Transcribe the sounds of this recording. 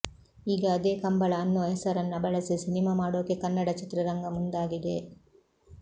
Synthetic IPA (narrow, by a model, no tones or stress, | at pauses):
iːɡɐːd̪eːkɐmbɐɭɐɐnːoːɦɛsɐɾɐnːɐbɐɭɐsisinimaːmaːɽoːkekɐnːɐɽɐt͡ʃit̪ɾɐɾɐŋɡɐmund̪aːɡid̪e